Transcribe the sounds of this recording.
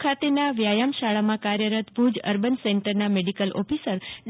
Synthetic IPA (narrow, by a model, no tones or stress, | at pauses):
kʰat̪enaʋjajamʃaɭamãkaɾjəɾət̪bʱud͡ʒə̰ɾbənsɛɳʈəɾnameɖikəlʔɔ̰pʰisəɾd